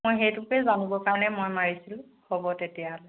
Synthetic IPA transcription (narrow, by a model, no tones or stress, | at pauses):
mojxejtʊkɛzanibɔkaɹɔnɛmojmaɹisil | hɔbɔtetijal